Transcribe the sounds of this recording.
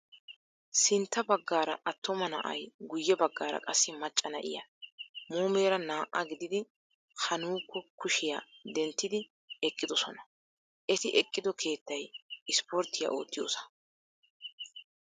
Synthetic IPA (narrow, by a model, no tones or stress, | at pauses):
sɪnt̪ːɐbɐɡːaːɾɐʔɐt̪ːɔmɐnɐ̰ʔɐ̰jɡʊjːɛbɐɡːaːɾɐ̰kʼɐsːɪmɐt͡ʃʼːɐnɐʔɪ̰jɐmuːme̞ːɾɐnaːʔɐɡɪd̪ɪd̪ɪ | hɐnuːkːɔkʊʃɪjaːd̪ɛnt̪ːɪd̪ɪ | ɛkʼːɪd̪ɔsɔnɐ̥ | ʔɛt̪ɪʔɛkʼːɪd̪ɔkʰe̞ːt̪ːɐjɪspɔɾt̪ːɪjɐ̰ʔo̞ːt̪ːɪjoːsɐ̥